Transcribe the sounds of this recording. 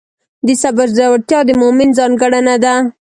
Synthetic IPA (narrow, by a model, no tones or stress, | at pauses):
d̪əsabaɾzawaɽt̪jɑd̪əmʊmɪnzɑnɡəɽanad̪a